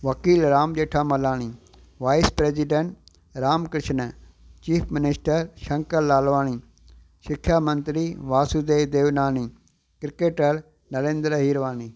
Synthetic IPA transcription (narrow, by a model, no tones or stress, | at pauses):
ʋɐkiːlɾaːmʄeːʈʰaːmɐlaːñi | ʋaːɪspɾeːziɖẽɳʈ | ɾaːmkɾɪʃnə | t͡ʃiːpʰmɪnɪsʈəɾʃɐ̃ŋkəɾlaːlʋaːñi | ʃɪkʰjaːmɐ̃nt̪ɾiʋaːsud̪eːd̪eːʋnaːni | kɾɪkeːʈəɾ | nɐɾẽːnd̪ɾɦiːɾʋaːni